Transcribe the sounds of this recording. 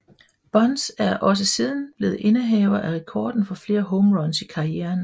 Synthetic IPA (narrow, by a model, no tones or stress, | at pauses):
b̥ɒ̽nsæɐʔɒ̽s̬əsið̞ˠn̩b̥le̝ːð̩ˠʔe̝nəɦɛʊɐʔæʁɛkʰɒ̰ːd̥n̩fɒ̽fle̝ːɐɦɔʊmʁɒ̽nsikʰɑ̈ieːɐn